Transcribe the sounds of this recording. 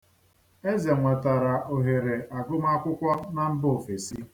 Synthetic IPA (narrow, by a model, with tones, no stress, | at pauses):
e˦ze˨ŋʷe˨ta˨ɾa˨ʔo˨ɦe˨ɾe˨a˨ɡʊ˦ma˦kʷʊ˦kʷɔ˦na˨m̩˦bʊ˦o˨fe˨si˦